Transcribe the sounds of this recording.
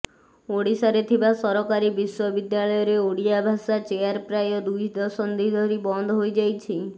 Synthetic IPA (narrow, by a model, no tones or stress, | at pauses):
oɽisaɾet̪ʰibasɔɾɔkaɾibiswɔbid̪jaɭɔjɔɾeoɽijabʱasat͡ʃejaɾpɾajɔd̪ujd̪ɔsɔnd̪ʱid̪ʱɔɾibɔnd̪ʱɔɦojd͡ʒajt͡ʃʰi